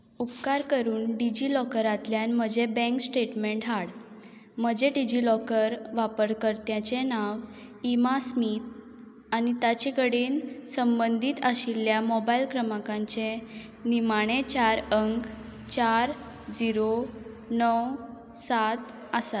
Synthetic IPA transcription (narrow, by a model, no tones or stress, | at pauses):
upkaɾkəɾuːnɖid͡ʑilɔkəɾat̪ljanm̤əd͡ʑebɛ̃ŋksʈeʈmeɳʈɦaɽ | m̤əd͡ʑeɖid͡ʑilɔkəɾʋapəɾkəɾt̪jãt͡ɕenaʋ | imasmit̪̚ | añit̪at͡ɕekəɽiːnsəmbənd̪ʱiːt̪əɕilːjamɔbailkɾəmakãɲt͡ɕe | nimaɽ̃et͡ɕaɾəŋk | t͡ɕaɾ | d͡ziɾo | nɔw | sat̪ | əsat̪